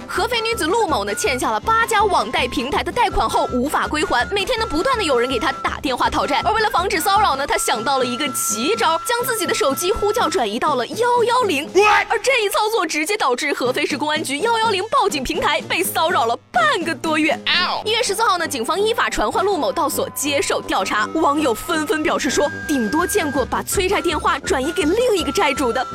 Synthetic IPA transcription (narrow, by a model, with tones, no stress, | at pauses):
xɤ˧˥fe˥ɪny˧˥d͡zɹ̩˨˩lu˥˩mo˨˩ʊnə˦t͡ɕʰjɛ˥˧nɕ̬ja˥˩lə˩pa˥t͡ɕja˥wɑ˨˩ŋt̪a˥˩ɪpʰi˧˥ŋt̪ʰa˧˥ɪd̪ə˧t̪a˥˩ɪkʰwa˨˩nxo˥˩ʊʔu˧˥fa̰˨˩kwe˥ɪxwa˧˥nme˨˩ɪt̪jɛ˥nd̪ə˧pu˧˥t̪wa˥˩nd̪ə˩jo˨˩ʊɻə˧˥nke˨˩ɪt̪ʰa˥t̪a̰˨˩t̪jɛ˥˧nxwa˥˩t̪ʰɑ˨˩ʊʈ͡ʂa˥˩nə˞˧we˥˩ɪlə˩fɑ˧˥ŋʈ͡ʂɻ̩˨˩sɑ˥ʊɻɑ˨˩ʊnə˦t̪ʰa˥ɕjɑ˨˩ŋt̪ɑ˥˩ʊlə˩i˧˥ɡə˧t͡ɕi˧˥ʈ͡ʂɑ˥ʊt͡ɕjɑ˥ŋt͡sɹ̩˥˩t͡ɕi˨˩d̪ə˦ʂo˨˧˩ʊt͡ɕi˥xu˥t͡ɕjɑ˥˩ʊʈ͡ʂwa˨˩ni˧˥t̪ɑ˥˩ʊlə˩jɑ˥ʊjɑ˥ʊli˧˥ŋ˥ə˞˧˥ʈ͡ʂɤ˥˧i˥˩t͡sʰɑ˥˧ʊt͡swɔ˥˩ʈ͡ʂɻ̩˧˥t͡ɕjɛ˥t̪ɑ˨˩ʊʈ͡ʂɻ̩˥˩xɤ˧˥fe˥ɪʂɻ̩˥˩kʊ˥ŋa˥nt͡ɕy˧˥jɑ˥ʊjɑ˥ʊli˧˥ŋpɑ˥˩ʊt͡ɕi˨˩ŋpʰi˧˥ŋt̪ʰa˧˥ɪpe˥˩ɪsɑ˥ʊɻɑ˨˩ʊlə˦pa˥˩nɡə˨˩t̪wɔ˥ɥɛ˥˩i˥nɥɛ˥˩ʂɻ̩˧˥sɹ̩˥˧xɑ˥˩ʊnə˩t͡ɕi˨˩ŋfɑ˥ŋi˥˩fa˨˩ʈ͡ʂʰwa˧˥nxwa˥˧nlu˥˩mo˨˩ʊt̪ɑ˥˩ʊswɔ̰˨˩t͡ɕjɛ˥ʂo˥˩ʊt̪jɑ˥˩ʊʈ͡ʂʰa˧˥wɑ˧˥ŋjo˨˩ʊfə˥nfə˥npjɑ˨˩ʊʂɻ̩˥˩ʂwɔ˥t̪i˨˩ŋt̪wɔ˥t͡ɕjɛ˥˧nkwɔ˥˩pa˨˩t͡sʰwe˥ɪʈ͡ʂʰa˥˧ɪt̪jɛ˥˧nxwa˥˩ʈ͡ʂwa˨˩ni˧˥ke˨˩ɪli˥˩ŋi˧˥ɡə˧ʈ͡ʂa˥˩ɪʈ͡ʂu˨˩d̪ə˦